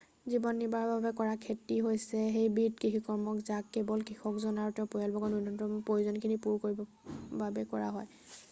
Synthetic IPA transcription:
zibɔnːibaɹɔbabɛkɔɹakʰetiɦojsɛɦejbitkiɦikɔɹmɔkzakːebɔlkɹixɔkzɔnaɹutɔpɔjalbɔɡɔnudɔntɔmpɹojuzɔnkʰinipuɹkoɹibɔ | babɛkɔɹa̰ɦɔj

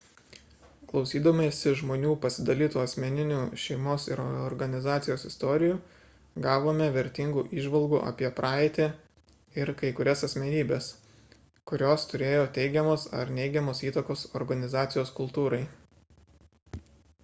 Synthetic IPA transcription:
klˠɒʊsʲiːd̪ɐmʲesʲɪʒmoːnʲuːpɐsʲɪd̪ɐlʲiːt̪uːɐsʲmʲɛnʲɪnʲuːʃʲɛɪmoːsɪɾɔɾɡɐnʲɪzɑːt̪sʲɪjoːsɪst̪ɔːɾʲɪjuː | ɡɑːʋoːmʲɛʋʲɛɾʲt̪ʲɪŋɡuːʔiːʒʋɐlˠɡuːʔɐ̰ːpʲiɛpɾʔɑːɛɪt̪ʲe | ɪɾkɐɪkʊɾʲɛsɐsʲmʲɛnʲiːbʲeːs | kʊɾʲoːst̪ʊɾʲeːjoːt̪ʲɛɪɡʲɛmoːsɐ̰ɾnʲɛɪɡʲɛmoːsiːt̪ɐkoːsɔɾɡɐnʲɪzɑːt̪sʲɪjoːskʊlˠt̪uːɾɐɪ

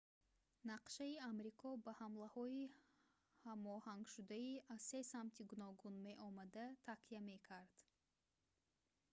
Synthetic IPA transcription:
naqʃaiamɾikʰɔbahamlahɔi | hamɔhaŋɡʃud̪aiʔazse̞samt̪ʰiɡunɔɡunme̞ʔɔmad̪at̪ʰakʰiame̞kʰaɾd̪̥

